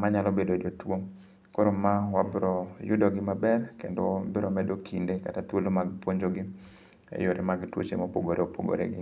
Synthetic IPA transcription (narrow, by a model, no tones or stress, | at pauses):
maɲalɔbedodotwo | koɾomawabɾɔjʊdɔɡɪmabɛrkḛndobɪɾɔmɛdokʰindekatat̪wolomaɡpwoɲd͡ʒoɡɪ | ḛjoɾemaɡtwo̰t͡ʃḛmopoɡoɾeopo̰ɡo̰ɾḛɡɪ